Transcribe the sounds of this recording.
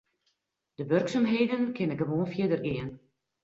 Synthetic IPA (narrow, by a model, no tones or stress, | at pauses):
d̥əʋørksamɦeːjdənkʰɪnəɡəʋoːnfjiədərɪən